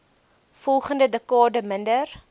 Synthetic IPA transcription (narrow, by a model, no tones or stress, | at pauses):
fɔlˠχəndədəkɑːdəməndər